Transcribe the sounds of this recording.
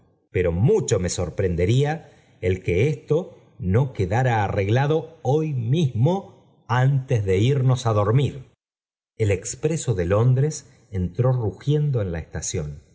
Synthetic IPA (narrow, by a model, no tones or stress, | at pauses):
pe̞ɾo̞mut͡ʃo̞me̞so̞ɾpɾe̞nd̪e̞ɾia | elkeest̪o̞ | no̞keðaɾaːre̞ɣlaðo̞ojmizmo̞ | ant̪ezðe̞iɾno̞saðo̞ɾmiɾ | elekspɾeso̞ðelo̞nd̪ɾes | ent̪ɾo̞ruxje̞nd̪o̞e̞nlaest̪asjo̞n